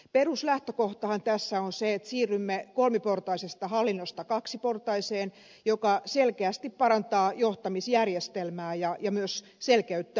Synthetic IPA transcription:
peruslæht̪økoht̪ɑhɑnt̪æsːæonseet̪siːrːymːekolmiport̪ɑisest̪ɑhɑlːinːost̪ɑkɑksiport̪ɑiseːn | jokɑselkeæst̪ippɑɾɑnt̪ɑːjoht̪ɑmisjærjest̪elmæːjɑjɑmyøs | selkæyt̪ːæ

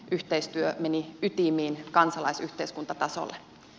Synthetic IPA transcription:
ʔyht̪eist̪yømeniyt̪imiːnkɑnsɑlɑisyht̪eiskunt̪ɑt̪ɑso̰lːe

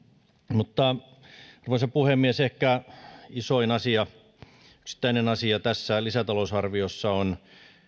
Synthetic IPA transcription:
mut̪ːɑ | ɑruʋesɑpuhemːiesehkæisoinɑsiɑ | yksi̥t̪ːˑæinenɑsiɑt̪æsːælisæt̪ɑlosɑrʋiosːɑon

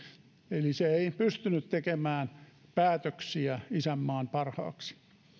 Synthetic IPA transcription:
eliseeipyst̪ynyt̪t̪ekemæːnpæːt̪øksiæisæmːɑːnpɑrhɑ̰ːksi̥

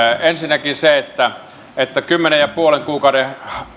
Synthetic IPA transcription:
ensinːækiseet̪ːæ | et̪ːækymːenejɑpuoleŋkuːkɑude

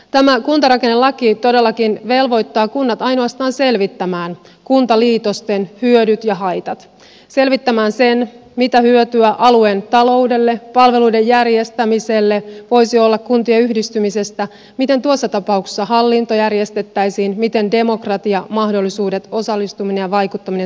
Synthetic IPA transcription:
t̪æmækunt̪ɑɾɑkenːe̞lɑkit̪o̞de̞lːɑkinʋe̞lʋo̞jt̪ːɑːkunːɑt̪ɑjno̞ɑst̪ɑːnse̞lʋit̪ːæmæːn | kunt̪ɑliːt̪o̞st̪e̞nhyødyt̪jɑɦɑjt̪ɑt̪ | se̞lʋit̪ːæmæːnse̞nmit̪æhyøt̪yæʔɑlue̞nt̪ɑlo̞ude̞lːe̞pɑlʋeluidejːærje̞st̪æmiselːeʋo̞jsiolːɑkkunt̪ieyhdist̪ymise̞st̪æ | mit̪e̞nt̪uosːɑt̪ɑpɑukse̥sːɑhɑlːint̪o̞jærje̞st̪e̞t̪ːæjsiːnmit̪e̞nde̞mo̞krɑt̪iɑmɑhdo̞lːisuːde̞t̪o̞sɑlːist̪umine̞jɑʋɑjkut̪ːɑmine

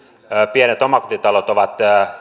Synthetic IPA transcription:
pienet̪omɑko̥t̪it̪ɑlot̪oʋɑt̪ː

